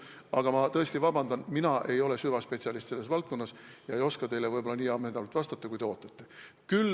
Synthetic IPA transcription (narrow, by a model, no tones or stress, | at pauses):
ɑɡ̥ɑmɑt̪ɤ̞est̪ivɑb̥ɑnd̪ɑnminɑʔe̞jo̞le̞syvɑspe̞t̪siɑlist̪se̞lːe̞s̬vɑlt̪̚ko̞nːɑsjɑejo̞skɑt̪e̞jlevɤjbo̞lːɑniːɑmenɑnult̪vɑst̪ɑt̪ːˑɑkujd̪e̞o̞ːt̪ːˑɑt̪ːe̞kyl